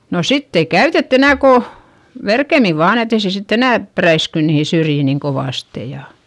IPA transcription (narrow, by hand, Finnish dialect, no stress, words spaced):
no sitː ei kæytetː enæˑ ko ʋerkemi ʋɑːn et ei se sitː enæˑ præisky niːhi syrjiˑ niŋ koʋɑˑste jɑ